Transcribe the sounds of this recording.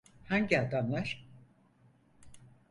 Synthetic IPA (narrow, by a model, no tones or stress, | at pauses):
haɲɟiad̪amlˠaɾ̥